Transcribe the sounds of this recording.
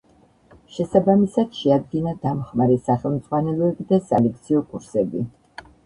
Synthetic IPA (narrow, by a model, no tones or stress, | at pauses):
ʃɛsabamisad̪̥ʃɛad̪ɡinad̪amχmaɾɛsaχɛlˠmt̪sʼʁwanɛlˠɔɛbid̪asa̰lɛk̚t̪sʰiɔkʰʼuɾsɛbi